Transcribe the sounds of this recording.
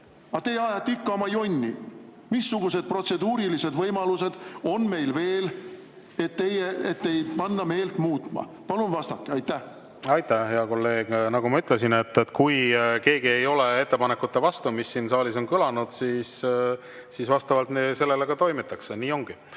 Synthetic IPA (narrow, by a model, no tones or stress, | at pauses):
ɑt̪e̞jɑjɑt̪ːikːɑomɑjo̞nʲːi | misːuɡ̥use̞d̪̥̚pro̞t̪se̞d̪uːɾilise̞d̪vɤjmɑluse̞d̪̥o̞nme̞jlve̞ːl | e̞t̪ːe̞jeet̪ːe̞jpɑnːɑme̞ːlt̪muːt̪ːˑmɑ̰ | pɑlunvɑst̪ɑkːˑeɑjt̪ːæh | ɑjt̪ːˑæhe̞ɑko̞lːe̞ːɡ̥nɑɡumɑyt̪ˑles̬inet̪ːet̪kujke̞ːɡie̞jo̞lee̞t̪ːe̞pɑnekːut̪ːevɑst̪umisːiːnsɑːliso̞nkylɑnud̪̥siːs | siːsvɑst̪ɑvɑlt̪nese̞lːeleɡ̥ɑt̪o̞jmet̪ːˑɑkseniːo̞ŋɡ̥i